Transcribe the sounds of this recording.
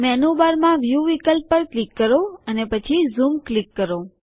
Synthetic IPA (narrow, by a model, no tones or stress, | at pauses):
mɛnubaɾmãʋjuʋikəlpːəɾklikːəɾoənepət͡ʃʰizumklikːəɾo